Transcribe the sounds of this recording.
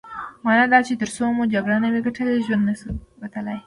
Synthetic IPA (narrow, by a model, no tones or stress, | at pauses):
mɑnɑd̪ɑt͡ʃet̪əɾsomud͡ʒaɡɽanameɡaʈʰəleʒwand̪nəsubat̪əlaj